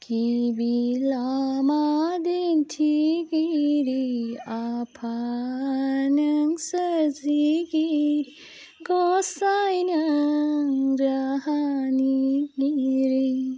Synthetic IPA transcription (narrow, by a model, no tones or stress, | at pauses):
kibilamad̪int̪ʰiɡiɾiapʰa | nɐŋsəɾziɡiɾi | ɡosajnɐŋɾaɦaniɡiɾi